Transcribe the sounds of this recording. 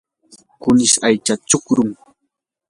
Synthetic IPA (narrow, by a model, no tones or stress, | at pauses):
kʊnɪʃajt͡ʃat͡ʃʊkɾʊŋ